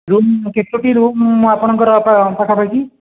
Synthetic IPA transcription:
ɾumkeʈːoʈiɾumːapɔñɔŋkɔɾɔpapakʰapajki

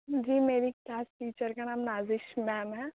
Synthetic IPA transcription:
d͡ʒiːmeːɾiklaːsʈiːt͡ʃəɾkanaːmnaːzɪʃmɛːmɦɛ̃ː

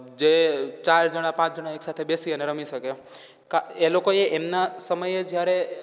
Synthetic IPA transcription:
d͡ʒet͡ʃaɾd͡ʒəɽ̃apãt͡ʃd͡ʒəɽaeksat̪ʰebesiəneɾəmiʃəke | kaelokoeʔemnasəməjed͡ʒjaɾe

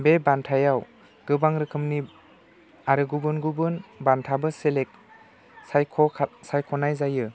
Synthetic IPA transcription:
bebantʰajaw | ɡɯbaŋɾɯkʰɯmni | aɾɯɡubɯnɡubɯnbantʰabɯselek̚ | sajkʰɔsajkʰɔnajzajɯ

